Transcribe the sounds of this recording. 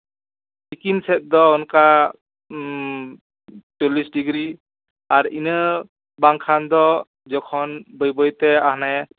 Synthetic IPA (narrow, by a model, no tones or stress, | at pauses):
sikinsɛt̪̚d̪ɔɔnka | t͡ʃulisɖiɡɾi | aɾḭnɯ | baŋkʰand̪ɔ | d͡ʒɔkʰɔnbəjbɔjt̪ɛahna